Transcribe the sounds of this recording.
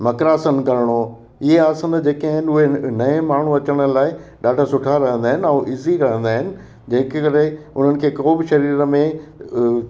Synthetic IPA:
mɐkɾaːsənkɐɾɪɽ̃o | ɪɦeaːsənd͡ʑeːkãːɦɪnɪʊɦenɐẽmaːɳ̤ũɐt͡ɕəɽ̃ə̆laːɪɗaːɖʱasʊʈʰaɾɐɦə̃nd̪aːɦɪnɪ̆ɐ̃ːʔɪziɾɐɦə̃nd̪aːɦɪnɪ̆ | d͡ʑɐ̃ɦɪ̃kkɐɾɪʊn̤ənɪ̆kʰeːkoːbɪʃɐɾiːɾəmẽ

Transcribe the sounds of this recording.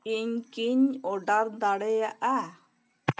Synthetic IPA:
iɲkiɲɔɖaɾd̪aɽejaʔa

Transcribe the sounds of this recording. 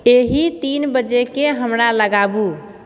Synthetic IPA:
eɦit̪inbəd͡ʒekeɦəmɾaləɡabu

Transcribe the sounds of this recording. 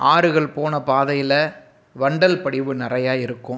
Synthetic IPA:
ʔaːɾɯɣɐɭpoːnɐpaːðɐjɪlɐ | ʋɐɳɖɐlpɐɽɪʋɯnɪrɐjaːɪɾɯkːɯ̃m

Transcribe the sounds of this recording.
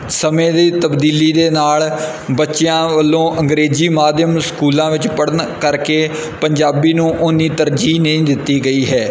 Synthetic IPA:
səmẽːd̪iːt̪əbd̪iːliːd̪eːnaːl | bətːʃɪjãːʋəlːõːʔə̃ŋɡɾeːziːmaːd̪jəmskuːlãːʋɪt͡ʃpəɽənkəɾkeː | pəɲd͡ʒaːbiːnũːʔʊniːt̪əɾd͡ʒiːnəĩːd̪ɪt̪ːiːɡəiːɦɛː

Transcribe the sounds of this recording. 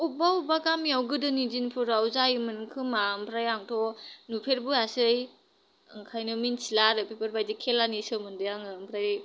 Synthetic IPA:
ubaubaɡamiawɡɯdɯnid͡ʒinpʰuɾawzajɯmɯnkʰɯmaɯmpʰɾajaŋtʰɔnupʰeɾbuasɯj | ɯŋkʰajnɯminsilaɾɯpʰepʰeɾbajdikʰelanisɯmɯndɯjaŋɯmpʰɾaj

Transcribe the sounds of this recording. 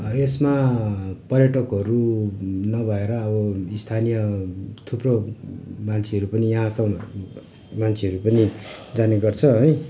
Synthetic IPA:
esma | pʌrjʌʈʌkɦʌɾunʌbʱʌeɾʌːbʌist̪ʰanijʌt̪ʰupromant͡sʰeɦʌɾupʌnijʌɦãka | mant͡sʰeʌɾupʌnid͡zaneɡʌrt͡sʰʌɦʌj

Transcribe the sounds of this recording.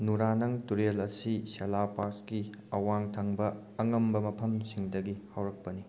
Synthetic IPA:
nuɾanɐŋtuɾelɐsiselapaskiɐwaŋtʰɐŋbɐː | ŋɐmbɐmɐpʰɐmsiŋdɐɡihawɾɐk̚pɐni

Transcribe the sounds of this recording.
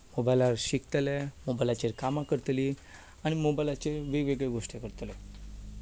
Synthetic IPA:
mobajlaɾɕikt̪əlemobajlat͡ɕeɾkamakəɾt̪li | aɽ̃imobajlat͡ɕeɾʋeʋeɡɭeɡoʂʈekəɾt̪lɛ

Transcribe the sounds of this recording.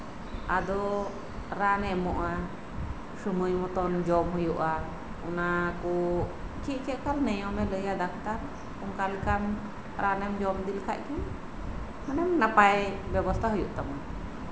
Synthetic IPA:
ad̪ɔ | ɾanɛmɔʔa | sumujmɔt̪ɔnd͡ʒɔmɦɔjuʔa | ɔnakɔt͡ʃʰiʔ̚t͡ʃɛʔkalnɛjɔmɛləjad̪akʰt̪aɾ | ɔnkalikam | ɾanɛmd͡ʒɔmd̪ilkʰa̰ʔkʰɛn | hɔnɛmnapajbɛbɔst̪ʰaɦujuʔt̪ama

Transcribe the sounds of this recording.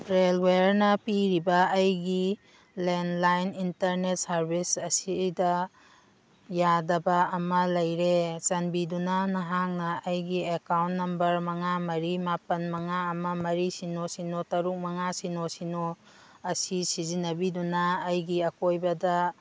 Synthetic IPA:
ɾelweɾnɐpiɾibɐːjɡi | lenlajnintɐɾnet̚sɐɾbisɐsidɐ | jadɐbɐːmɐlɐjɾesɐnbidunanɐɦaŋnɐːjɡiekawntnːɐmbɐɾmɐŋamɐɾimapɐnmɐŋaɐmɐmɐɾisinosinotɐɾuk̚mɐŋasinosino | ɐsisizinɐbidunɐːjɡiɐkojbɐdɐ

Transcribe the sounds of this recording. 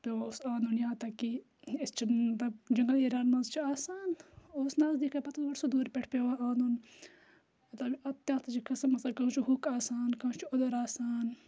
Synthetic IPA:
pʲewaosãːnd̪unjãːt̪ɐkːi | ist͡ʃʰiɐt̪ɐbd͡ʒɐŋɡɐliːɾaːnmɐːnzt͡ʃʰiaːsaːnoːsnaːzd̪ikʰapɐt̪uʋɐʈsud̪uːɾpʲeʈʰpʲewaːãːnd̪un | mɐt̪lɐbiɐt̪ːaːt̪ɐt͡ʃikɐsɐmɐt̪lɐkɐũt͡ʃʰiɦukaːsaːnkɐũt͡ʃʰiod̪ɐɾaːsaːn

